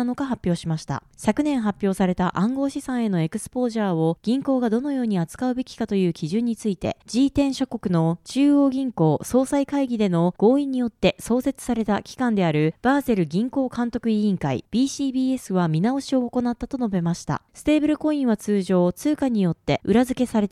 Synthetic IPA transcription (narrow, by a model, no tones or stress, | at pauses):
no̞ɡaɦapʲːjo̞ːɕimaɕi̥t̪a̰ɕakɯ̟nẽ̞ɰ̃ɦapʲjo̞ːsaɾe̞t̪aʔãŋɡo̞ːɕisãɰ̃e̞no̞e̞kɯ̟̥sɨ̥po̞ːʑaːo̞ɡ̥ʲĩŋko̞ːɡad̪o̞no̞jo̞ːɲ̟iat͡sɨ̥kaɯ̟be̞kʲi̥kat̪o̞jɯ̟ːkʲiʑɨ̃ɲ̟ːit͡sɨit̪e̞̰d͡ʑiːt̪ẽ̞ɰ̃ɕo̞ko̞kɯ̟no̞t͡ɕɨːo̞ːɡʲĩŋko̞ːso̞ːsaikaiɡʲid̪e̞no̞ɡ̥o̞ːĩɲ̟ijo̞t̪ːe̞so̞ːse̞t͡sɨ̥saɾe̞t̪akʲi̥kãnd̪e̞aɾɯ̟b̥aːze̞ɾɯ̟ɡʲĩŋko̞ːkãnt̪o̞kɯ̟ĩːŋkaḭb̥ʲiːɕiːbiːe̞sɨβamʲinao̞ɕio̞ːko̞nat̪ːat̪o̞no̞be̞maɕi̥t̪a̰sɨ̥t̪e̞ːbɯ̟ɾɯ̟ko̞ĩɰ̃βat͡sɨːʑo̞ːt͡sɨːkaɲ̟ijo̞t̪ːe̞ɯ̟ɾazɨke̞saɾe̞t̪